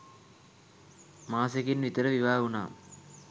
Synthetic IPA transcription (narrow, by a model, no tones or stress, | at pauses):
maːsekinʋit̪əɾəʋiʋaːuna̰ː